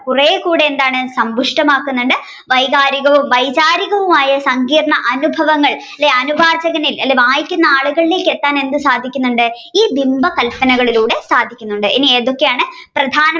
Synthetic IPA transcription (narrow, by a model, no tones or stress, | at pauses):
purɐjekuːɽeend̪aːɳɨsɐmbʱuʂʈɐmaːkːunːuɳɖɨ | ʋɐjɣaːɾiɣɐʋumʋɐjt͡ɕaːɾiɣɐʋumaːjɐsɐŋɡiːrɐɳɐʔɐnubʱɐʋɐŋːɐɭ | ɐlːeɐnubʱaːrt͡ɕɐɣɐnilɐlːeʋaːjikʲːunːɐaːɭuɣɐɭile̞ːkːet̪ːaːne̞nd̪ɨsaːd̪ʱikʲːunːuɳɖɨ | iːbimbɐkɐlpɐnɐɣɐɭiluːɽe̞saːd̪ʱːikʲːunːuɳɖɨʔinieːðo̞kːejaːɳɨ | prɐd̪ʱaːnɐ